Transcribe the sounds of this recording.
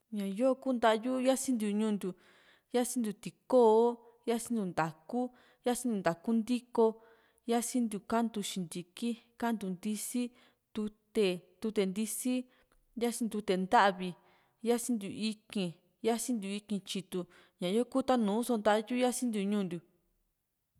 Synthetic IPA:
ɲã˨˧jo˦˧kuː˦˧nd̪a˦˧ju˦ja˦sĩ˦nd̪u˧˨ɲũː˦˧nd̪ʲu˨ | ja˦sĩ˦nd̪u˧t̪i˨ko˦o˦ | ja˦sĩ˦nd̪u˧˨nd̪a˨ku˦ | ja˦sĩ˦nd̪u˧nd̪a˨ku˦nd̪i˦ko˧ | ja˦sĩ˦nd̪u˧˨ka˦nd̪u˧ʃĩ˧nd̪i˨ki˦ka˦nd̪u˨nd̪i˧si˦ | t̪u˧t̪e˧˨t̪u˧t̪e˧nd̪i˧si˦ | ja˦sĩ˧nd̪u˧t̪e˨nd̪a˦ʔβi˧ | ja˦sĩ˦nd̪u˨i˧kĩ˧ | ja˦sĩ˦nd̪u˧i˧kĩ˧t͡ʃi˧t̪u˧ | ɲã˨jo˦ku˦t̪a˦nũː˨˦so˧nd̪a˦ʔju˦ja˦sĩ˦nd̪u˧ɲũː˦˧nd̪u˨

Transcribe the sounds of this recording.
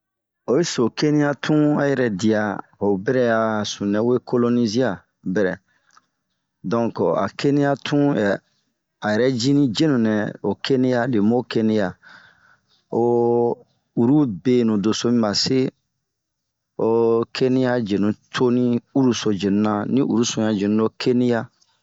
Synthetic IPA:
o˨e˦so˨ke˦nĩ˦ja˦tʰũ˦a̰˦jɛ˨ɾɛ˨di˨a˨ | o˨bɛ˦ɾɛ˦ja˨sũ˨nɛ̃˨we˦ko˦lo˦ni˦zi˦a˨ | bɛ˨ɾɛ˨ | dɔ̃˦˨ŋka̰˨kʰe˦nĩ˦ja˦tʰũ˦jɛ˨ | a˨jɛ˨ɾɛ˦d͡ʒi˦nĩ˦d͡ʒe˦nũ˨nɛ̃˨o˨kʰe˦nĩ˦ja˦le˨mo˦ke˦nĩ˦ja˨ | o˦˨ | u˨ɾu˦be˨nũ˨do˨so˦mĩ˦ba˨se˦ | o˨kʰe˦nĩ˦ja˦d͡ʒe˨nũ˨tʰo˦nĩ˦u˦ɾu˦so˨d͡ʒe˨nũ˨nã˦nĩ˦ʔṵ˨ɾu˦sũ˨ja˨d͡ʒe˨nũ˦o˦kʰe˦nĩ˦ja˦

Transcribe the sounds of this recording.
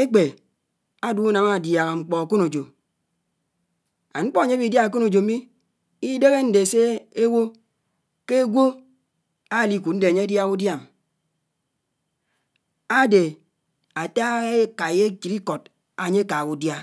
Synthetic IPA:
e˦k͡pe˨ | a˦du˦u˦na˨ma˦˨dja˨ɣa˨ŋ͡m̩˨k͡pɔ˨a˨ku˦no˨d͡ʒo˨ | a˨ŋ͡m̩˦k͡pɔ˦a˨ɲe˦bi˨dja˦a˨ku˦no˨d͡ʒo˨˦mi˦ | i˦de˦ɣe˦n̩˦de˨se˦e˦wo˦ | ke˦ɡʷo˦ | a˦˨li˦ku˨n̩˦de˨ɲe˦a˦dja˦ɣu˦dja˦˨m | a˦de˨ | a˨ta˦ɣe˦ka˨je˦t͡ʃi˨ɾi˦kɔ˨t̚ | a˨ɲe˦ka˨ku˨dja˦

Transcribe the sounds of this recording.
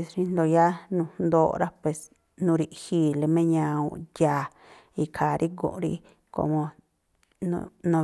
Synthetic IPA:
e˧sɾi˧nd̪o˧ja˦nũ˧nd̪o˧ɾa˦pwe˨s | nũ˧ɾi˧hi˦le˧mẽ˦ɲã˧ṵ̃˧ja˧˨ | i˧kʰa˨ɾʔi˦ɡõ̰˧˨ʔɾḭ˦ | ko̰˧mõ˧ | nṵ̃˧nõ˧

